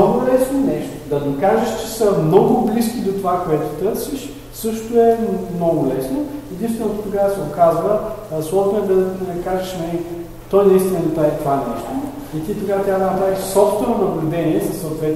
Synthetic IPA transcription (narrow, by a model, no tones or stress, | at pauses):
ɔɡʊlɛsnonɛʃt̪od̪ɐnikaʒəʃt͡ʃɛsəmnɔɡʊbliskʲid̪ot̪ovakoɛt̪ʊ̥t̪ɤɾsiʃ | sɤʃt̪ʊɛmnɔɡʊlɛsnoɛd̪inst̪vɛnot̪ʊkʊɡasɛɡokazvəslˠɔʒnoɛd̪ɐnɐkaʒəʃnɐi | t̪ɔjnɐist̪ivnnɐt̪aɛt̪ovanɛʃt̪o | it̪it̪ɐɡaət̪ʲad̪ɐnɐpɾaɾʲiʃsɔft̪vɛnonɐblʲʊd̪ɛniɛsɐsːɐot̪vɛt̪